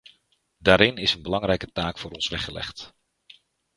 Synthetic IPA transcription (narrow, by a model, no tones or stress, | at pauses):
daːɾɪnɪsənbəlɑŋrɛjkətaːkfʊːɾɔnsʋɛχəlɛ̰χt